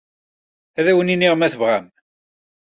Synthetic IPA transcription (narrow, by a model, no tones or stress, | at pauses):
æðæwəniniʁmæθəvʁæm